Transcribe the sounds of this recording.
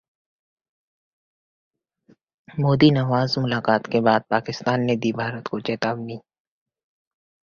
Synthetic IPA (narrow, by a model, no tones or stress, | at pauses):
moːd̪inɐʋaːzmʊlaːqaːt̪kebaːd̪̚paːkɪst̪aːnːed̪ibʱaːɾət̪kot͡ʃɛːt̪aːbniː